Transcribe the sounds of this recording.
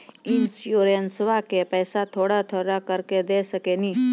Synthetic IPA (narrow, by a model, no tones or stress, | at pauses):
ɪnsjoːɾənsʋakepɛːsat̪ʰoːɽat̪ʰoɽakəɾked̪eːsəkeni